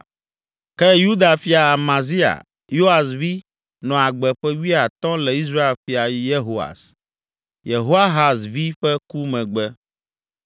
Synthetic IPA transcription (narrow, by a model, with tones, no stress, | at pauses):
kɛ˦ju˦d̪a˨fi˨˦a˨mã˨zi˦a̰˨ | jo˦a˨svi˦ | nɔ̃˨a˨ɡ͡bɛ˨ɸɛ˦wi˦a˨t̪ɔ̃˦lɛ˨i˦s̬ɾa˦e˨lfi˨a˨ji˦je˦ɦo˦a̰˨s | je˨ɦo˦a˦ɦa˨svi˦ɸɛ˦ku˦mɛ̃˨ɡ͡bɛ˦